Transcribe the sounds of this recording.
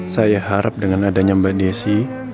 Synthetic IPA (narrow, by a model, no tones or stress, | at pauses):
sajahaɾap̚dəŋanadaɲambadiesi